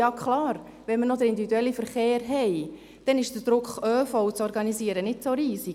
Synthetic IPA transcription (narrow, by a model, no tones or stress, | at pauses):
jɑːkχlɑːɾ | ʋɛnmənɔd̪əɾindivid̪uɛlːifəɾχeːɾɦɛj | d̥ɛnɪʃd̥əd̥ɾʊkχøːfɔwt͡sɔɾɡɑnisiəɾənɪtt͡soɾiːsi